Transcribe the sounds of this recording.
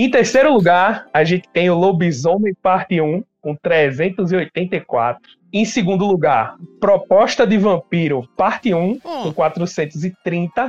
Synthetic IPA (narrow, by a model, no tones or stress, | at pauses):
ẽj̃t̪eɾsejɾʊluɡaɾaʒẽnt̪ɪ̥t̪ẽj̃ʊlobizõnmɪpaɾt̪ɪũkõt̪ɾɛzẽnt̪ʊziojt̪ẽnt̪ɐjkwa̰t̪ɾʊ | ẽj̃sɪɡũnd̪ʊluɡaɾpɾɔpɔʃt̪ɐd̪ɪvɐ̃piɾʊpaɾt̪ɪũkõkwat̪ɾʊsẽnt̪ʊzɪt̪ɾĩnt̪ɐ